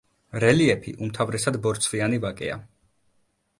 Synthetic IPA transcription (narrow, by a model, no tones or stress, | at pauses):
ɾɛliɛpʰḭʔumt̪ʰavɾɛsad̪bɔɾt̪sʰvianivakʼɛ̰a̰